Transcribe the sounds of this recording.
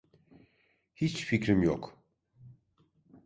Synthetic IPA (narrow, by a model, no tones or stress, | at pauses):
hit͡ʃficɾimjo̰k